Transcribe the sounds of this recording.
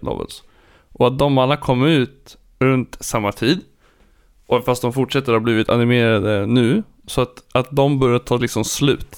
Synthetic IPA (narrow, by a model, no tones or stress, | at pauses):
lɑ̰ːvə̰ls | ʔɔat̪̚d̪ɔmalːakʰɔmːəɾʉ̟ːt̪ | ɾɵnt̪samːat̪ʰiːd̪ | ʔɔfast̪d̪ɔmfʊʈʂɛt̪ːəɾhaːbliːvɪt̪ʰa̰nɪmeːɾad̪ənʉ̟ː | sɔat̪at̪̚d̪ɔmbœɾjat̪ʰɑːlɪksɔmslʉ̟ːt̪